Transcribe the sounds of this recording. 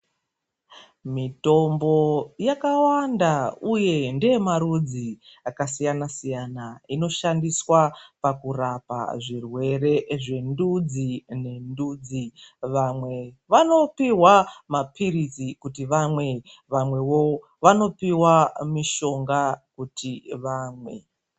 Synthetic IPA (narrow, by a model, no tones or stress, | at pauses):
mito̞mbo̞jakawandauje̞ndeemaɾud͡ziakasijanasijanaino̞ʃandiswapakurapa̰ʐirwe̞re̞ʐe̞ndud͡zine̞ndud͡ziʋamwe̞ʋano̞piwamapʰirizikutiʋamwe̞ | ʋamwe̞wo | ʋano̞piwamiʃo̞ŋɡakutʰiʋaːmwe̞̰